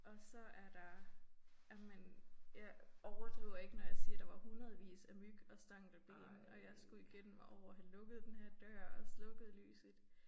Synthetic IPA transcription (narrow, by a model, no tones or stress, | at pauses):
ʔɒ̽sɒ̽ʔæɐd̥ɑ̈ | jæmenjɑ̈ɪɒʊɐd̥ʁiʊɐe̝ɡ̥ənɒjɑ̈ɪsid̥ɑ̈ʋɑ̈hunʁɐð̞̩ˠʋḭːsæmyɡ̥ɒ̽sd̥ɑ̈ŋ̰d̥æb̥e̝̰ːnʔɒ̽jɑ̈ɪsɡ̥uiɡ̥en̰m̩mɑ̈ɒʊ̰ɐɦænlɔ̽ɡ̥əð̩ˠd̥enhæɐ̰d̥ɶɐ̰ɒ̽slɔ̽ɡ̥əð̩ˠly̰ːsð̩ˠ